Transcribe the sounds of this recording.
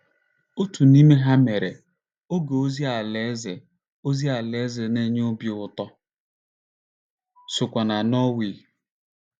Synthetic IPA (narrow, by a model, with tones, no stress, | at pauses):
o˦tu˨ni˦me˦ɦa˦me˨ɾe˨ | o˦ɡe˨o˦zi˦a˨le˨˦zɪ˨ | o˦zi˦a˨le˨˦zɪ˨ne˦ɲ˦ʊ˦bji˨ʊ˦˨tɔ˦ | sʊ˨kʷa˨na˨nɔ˦wi˨